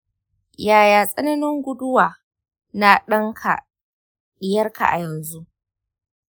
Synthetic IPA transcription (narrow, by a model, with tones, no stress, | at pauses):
jaː˨jaː˨sʼɐ˦nɐ˦nɪ˦ŋɡʷʊ˦dʊ˦waː˨ | na˨ɗɐ˦ŋkʰa̰˨ | ɗɪ˦jɐ˦rka̰˨ʔa̰˨jɐ˨nzu˦ʔ